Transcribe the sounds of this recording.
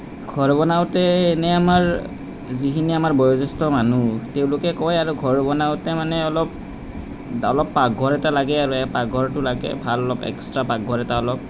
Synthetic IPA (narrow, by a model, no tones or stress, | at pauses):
ɡʱɔɹbɔnaʊtɛːnɛamaɹ | zikʰiniamaɹbɔjɔzɔstɔmanuteʊ̃lʊkɛkɔjaɹuɡʱɔɹbɔnaʊtɛmanɛɔlɔp̚ | ɔ̰lɔpːaɡʱɔɹɛtalaɡɛaɹuɛpaɡʱɔɹtʊlaɡɛ̰bʱalɔlɔpɛ̰kstɹapaɡʱɔɹɛtaɔlɔp̚